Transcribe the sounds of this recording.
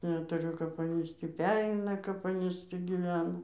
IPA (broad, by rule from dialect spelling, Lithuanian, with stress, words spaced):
nʲɛtʊˈrʲʊ kɐp ˈɑːnʲiːs tʲiː ˈpʲæːrʲɛɪnɐ kɐp ˈɑːnʲiːs ˈtʲiː ɡʲiːˈʋʲæːnɐ